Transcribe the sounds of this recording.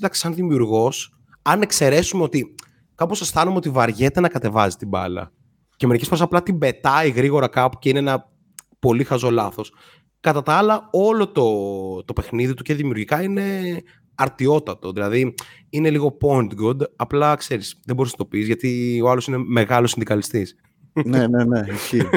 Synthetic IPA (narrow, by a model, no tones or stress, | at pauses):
d̪ɐksi̥sɐnðimiuɾɣo̞s | ɐne̞kse̞ɾe̞sumeo̞t̪i | kɐposɐsθɐnumeo̞t̪ivɐɾʝe̞t̪e̞nɐkɐt̪e̞vɐzi̥t̪ibɐ̰lɐ̰ | ceme̞ɾicesfɾesɐplɐt̪ibe̞t̪ɐiɣɾiɣo̞ɾɐkɐpu̥ceineenɐ | po̞lixɐzo̞lɐθo̞s | kɐt̪ɐt̪ɐɐlɐo̞lo̞t̪o̞t̪o̞pe̞xniðit̪uce̞ðimiuɾʝikɐine̞ | ɐɾt̪io̞t̪ɐt̪o̞ðilɐði | ine̞liɣo̞point̪ɡod̪ɐplɐkse̞ɾisðeboɾiznɐt̪o̞pizʝɐt̪io̞ɐlo̞sine̞me̞ɣɐlo̞sind̪ikɐlist̪is | neneneiçi